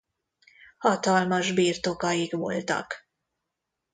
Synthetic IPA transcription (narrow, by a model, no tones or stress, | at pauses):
hɒt̪ɒlmɒʒbiːrt̪o̞kɒjikʋo̞̰lt̪ɒ̰k